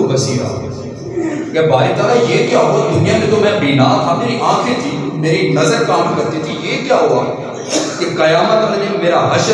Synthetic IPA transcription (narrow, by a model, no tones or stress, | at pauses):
bɐsiːɾa̰ː | kɛbʱaːit̪aːlajeːkjaːɦod̪ʊnijãmẽd͡ʒ̪omɛ̃biːnaːt̪ʰaːmeːɾiʔãːkʰet̪ʰiːmeːɾinɐzəɾkaːmkɐɾt̪it̪ʰijeːkjaːɦuaː | kekɐjaːmət̪mnẽmeːɾaɦɐʃ